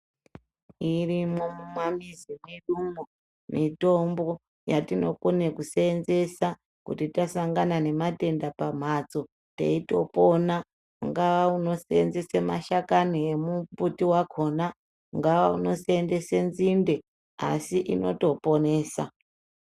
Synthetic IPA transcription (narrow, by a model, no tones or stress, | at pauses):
irimo̞mumwamizimweɗumo | mito̞mbo̞ | jatino̞konekuseːnze̞sa | kṵtitasaŋɡanane̞mate̞ndapam̤at͡so̞ | ta̰ito̞po̞na | uŋɡaʋauno̞seenze̞semaʃakaniemuputiwakʰo̞na | uŋɡaʋauno̞seende̞senzinde̞ | a̰siʔino̞̰to̞po̞ne̞ːsa̰